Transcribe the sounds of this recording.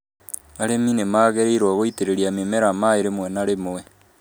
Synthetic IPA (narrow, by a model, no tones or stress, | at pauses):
aɾeminemaːɣeɾeiɾwɔɣoiteɾeɾiamemɛɾamaeɾemwɛnaɾemoɛ